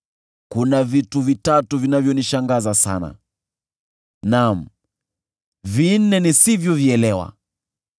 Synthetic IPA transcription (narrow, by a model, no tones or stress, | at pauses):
kunavituvitatuvinavjɔniʃaŋɡazasa̰na̰ | nam̩ | vin̩nɛnisivjɔviɛlɛwa̰